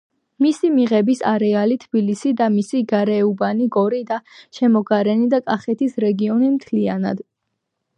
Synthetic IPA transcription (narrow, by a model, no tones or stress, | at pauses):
misimiʁɛbisa̰ɾɛalit̪ʰb̥ilisid̪amisiɡaɾɛubaniɡɔɾid̪aʃɛmɔɡaɾɛnid̪akʼaχɛt̪ʰisɾɛɡiɔnimt̪ʰliana̰d̪̥